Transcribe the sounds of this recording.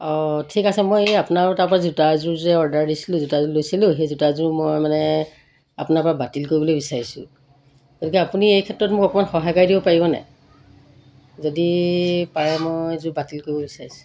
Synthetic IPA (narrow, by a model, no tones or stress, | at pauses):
ɔtʰikasɛmojapʊnaɹtaɹpɔɹazutazʊɹzɛɔɹdaɹdisilʊ̃zutazulojsilʊ̃xejzutazʊɹmojmanɛ | a̰pʊnaɹpɔɹabatilkoɹibɔlojbisaɹisʊ̰̃ | ɡ̥otikɛapuniejkʰɛtɹɔtmʊkɔkɔmanxɔɦajkajdibɔpaɹibɔnɛ̰ | zodipaɹɛmojzʊbatilkoɹibɔbisaɹisʊ̥